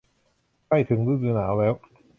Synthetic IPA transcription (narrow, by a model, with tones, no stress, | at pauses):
kʰa˥˩jt̪ʰɯ˩˦ŋɾɯː˧˥˩ɾɯː˧naː˩˦wlɛː˦˥w